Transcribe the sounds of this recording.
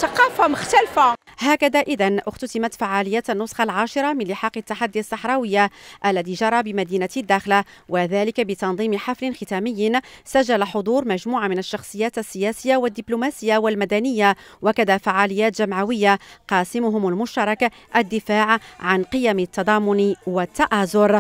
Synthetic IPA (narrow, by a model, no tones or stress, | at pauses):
θɑqɑːfamʊxt̪alfahaːkad̪aʔɪd̪anʔʊxt̪ʊt̪ɪmat̪faʕaːlɪjːaːt̪anːʊsˤxɑlʕaːʃɪɾˤɑmɪnlɪħɑːqɑt̪ːaħad̪ːiasˤːɑħɾˤɑːwɪjːaʔælːæðiːʒɑɾˤɑbɪmæd̪iːnad̪ːæːxla | waðæːlɪkabɪt̪ɑnd̪ˤiːmħaflɪnxɪt̪æːmɪjːsaʒːalaħod̪ˤuːɾmæʒmuːʕamɪnaʃːɑxsˤɨjːaːt̪asːɪjæːsɪjːawad̪ːɪblumaːsɪjːawalmad̪ænɪjːawakad̪afaʕaːlɪjːaːt̪ʒamʕawɪjːaqɑːsɪmʊɦʊmalmʊʃt̪ɑɾˤɑka | ʔad̪ːɪfaːʕʕanqɨjamɪt̪ːɑd̪ˤɑːmʊnwat̪ːɑʔaːzʊɾ